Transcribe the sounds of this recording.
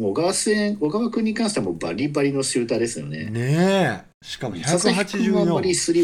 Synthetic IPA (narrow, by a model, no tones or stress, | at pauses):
oɡasẽo̞ɡaβakɯ̟̃ɲ̟ːikãɕi̥t̪emo̰ba̰ɾʲibaɾʲino̞ɕɨːt̪ad̪e̞sɨjo̞̰ne̞̰ne | ɕi̥kasasahat͡ɕiɯoamaɾʲisɨɾʲi